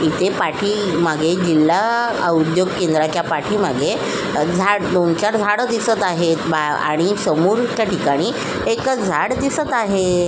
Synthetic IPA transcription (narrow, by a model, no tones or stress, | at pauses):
it̪epaʈʰiːmaɡʱed͡ʑilːa | ə̰ud̪joɡ̚kend̪ɾat͡ɕjapaʈʰiːmaɡe | d͡zʱaɽd̪ont͡ɕaɽd͡zʱaɽəd̪isət̪aɦet̪baa̰ɽ̃isəmuɾk̪jaʈikaɽ̃i | ekd͡zʱaɽd̪isət̪aɦe